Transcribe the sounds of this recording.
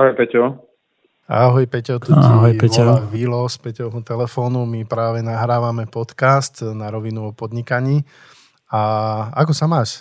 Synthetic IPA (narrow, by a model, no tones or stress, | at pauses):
aɦɔjpɛcɔ | aɦɔjpɛcɔt̪uiaɦɔjpɛcɔʋilɔspɛcɔʊɦut̪ɛlɛfɔːnumipɾaːʋɛnaɦɾaːʋamɛpɔt̪kast̪naɾɔʋinuɔpɔd̪ɲikaɲiː | aakɔsamaːʃ